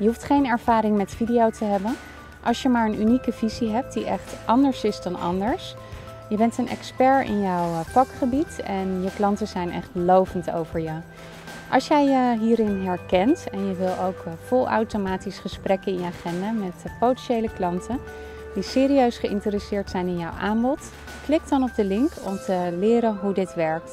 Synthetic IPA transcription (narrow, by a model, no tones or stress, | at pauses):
jəɦuftχejnɛɹv̥aːɾɪŋmɛtfidiowtəɦɛbən | ʔɑlˠʃjəmaːɹənynikəviziɦɛp̚t̚diʔɛχtʔɑndəɹsɪzdɑnʔɑ̰ndəɹs | jəbɛntənʔɛ̰kspɛɹɪ̰njɔwfɑkχəbitɛnjəklɑntəzɛjnɛ̰χtlowvənto̰wvəɹjə | ʔɑ̰lˠʃjɛjəɦiːɾɪnɦɛɹkɛntɛnjəʋɪlˠowkfʊlˠa̰wtomaːtisχəsprɛkənɪnjəaːχɛndaːmɛtpowtɛnʃejləklɑntə | disɪːɾiøɥsχəʔɪntəɾysɪːɹtsɛjnɪnjɔwʔaːmbɔt | klɪk̚dɑnɔb̚dəlɪŋkɔ̰mtəlɪːɾənɦudɪtʋɛɹk̚t